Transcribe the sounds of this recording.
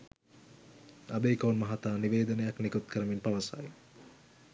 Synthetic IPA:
abeikoːnmɐɦat̪aːniʋeːd̪ənəjaknikut̪̚kʰəɾəminpaʋɐsa̰j

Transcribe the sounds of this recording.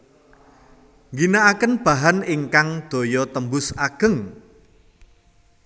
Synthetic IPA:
ŋɡinaʔːkənb̥a̤ɦanɪŋkaŋd̪̥o̤jɔt̪əmbʊsaɡ̥ə̤ŋ

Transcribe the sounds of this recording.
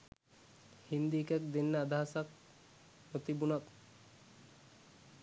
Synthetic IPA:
hind̪iːkɛk̚d̪enːəad̪aɦasak̚ | ot̪ibunak̪

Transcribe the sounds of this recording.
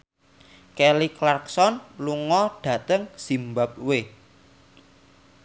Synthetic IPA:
kɛliklarksɔnluŋɔɖ̥ä̤t̪əŋsimbap̚we

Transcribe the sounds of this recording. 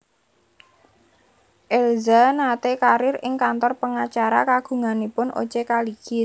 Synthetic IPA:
ʔɛlzanat̪ekaɾɪrɪŋkant̪ɔrpəŋat͡ʃaɾa̰kaɡ̥ṳŋanipʊnʔo̰t͡ʃekaliki

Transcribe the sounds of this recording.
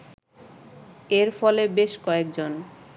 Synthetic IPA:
eɾfɔlebeʃkɔek̚d͡ʑon

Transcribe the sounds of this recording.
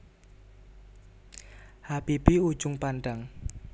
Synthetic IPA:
hapibiu̥d͡ʒʊŋpanɖaŋ

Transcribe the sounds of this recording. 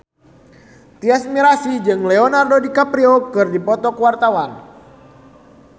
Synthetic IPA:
t̪iasmiɾasid͡ʒɨŋlɛɔnardodikapɾiokɨrdipɔt̪ɔkwart̪awan

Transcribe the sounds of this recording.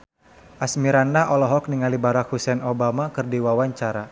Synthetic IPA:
ʔasmiɾandaʔɔlɔɦɔk̚niŋalibaɾak̚husɛnobamakɨrdiwawaɲt͡ʃaɾa

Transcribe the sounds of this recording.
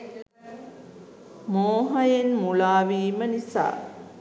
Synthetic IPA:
moːɦɐjenmulaːʋiːmənisa̰ː

